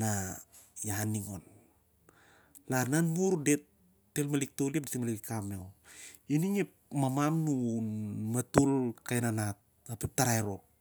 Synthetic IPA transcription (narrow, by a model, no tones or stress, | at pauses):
na | janiŋo̞̰n | lananmuɾde̞tː | elmalik̚toliep̚detimalikikamewiniŋep̚ | mamamnunmatulkajnanat̚ | apep̚taɾaeɾo̞